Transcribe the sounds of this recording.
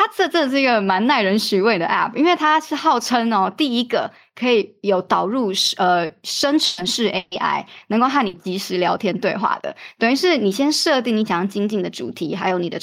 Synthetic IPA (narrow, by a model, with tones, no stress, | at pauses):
t̪ʰa˥t͡sɤ˥˧ʈ͡ʂə˥˧ʈ͡ʂɤ˥˧˩ɡə˩ma˧˥nna˥˩ɪɻə˧˥nɕy˧˥we˥˩ɪd̪ə̰˩ʔæ̰˥˩p̚ʰi˥nwe˥˩ɪt̪ʰa˥ʂɻ̩˥˧xɑ˥˩ʊʈ͡ʂʰə˥nɔ˧t̪i˥˩i˦˥ɡə˨ | kʰɤ˧˥i˨˩jo˨˩ʊt̪ɑ˨˩ʊɻu˥˩ʂə˧ʂə˥nʈ͡ʂʰə˧˥nʂɻ̩˥˩ʔe˥a̰˥ɪnə˧˥ŋko˥˧ʊxa˥˩ni˨˩t͡ɕi˧˥ʂɻ̩˧˥ljɑ˧˥ʊt̪ʰjɛ˥nt̪we˥˧ɪxwa̰˥˩d̪ə̰˩t̪wə˨˩ny˧˥ʂɻ̩˥˩ni˨˩ɕjɛ˥nʂɤ˥˧t̪̬i˥˩ŋni˧˥t͡ɕɑ˥ŋt͡ɕi˥ŋt͡ɕi˥˩ŋd̪ə˩˦ʈ͡ʂṵ˨˩t̪ʰi˧˥xa˧˥ɪjo˧˥ʊni˨˩d̪ə˦